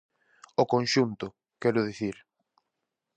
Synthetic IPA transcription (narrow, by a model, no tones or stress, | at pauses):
ʊkonʃunt̪ʊ | kɛɾʊðiθiɾ